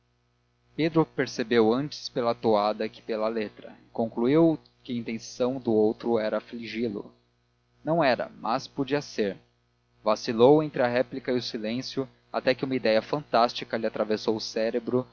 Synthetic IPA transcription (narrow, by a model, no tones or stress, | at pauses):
ped̪ɾʊpeɾsebewɐ̃nt͡ʃɪ̥spelɐt̪oad̪ɐkɪ̥pelɐlet̪ɾɐ̰ɪkõŋkluiw | kɪɐĩnt̪ẽsɐ̃w̃d̪ʊowt̪ɾʊɛɾɐfliʒilʊ̰ | nɐ̃w̃ɛɾɐ̰mʔaspod͡ʒiɐseɾ | vasilowẽnt̪ɾɪɐɦɛplikɐiʊsilẽsjʊ | a̰t̪ɛkɪũmɐid̪ɛjɐfɐ̃nt̪ast͡ʃikɐlɪat̪ɾavesowʊsɛɾebɾʊ